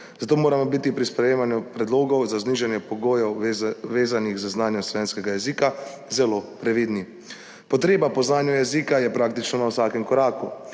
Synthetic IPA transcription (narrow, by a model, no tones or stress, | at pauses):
z̥at̪oːmoːɾamɔbiːt̪ipɾispɾɛjeːmanjupɾɛd̪loːɡɔwzazniːʒɛnjɛpɔɡoːjɛwʋeːzaniɣzəznaːnjɔmslɔʋeːnskɛɡajɛziːka | zɛloːpɾɛʋiːd̪ni | pɔt̪ɾeːbapɔznaːnjujɛziːkajɛpɾaːkt̪it͡ʃnɔnawsaːkɛmkɔɾaːkṵ